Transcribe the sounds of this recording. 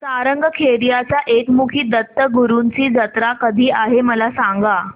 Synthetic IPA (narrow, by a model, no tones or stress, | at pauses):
saɾəŋɡəkʰeɾijat͡ɕaʔekmukʰiːd̪ət̪ːəɡuɾunt͡siːd͡zət̪ɾakəd̪ʱiːʔaɦeməlasaŋɡa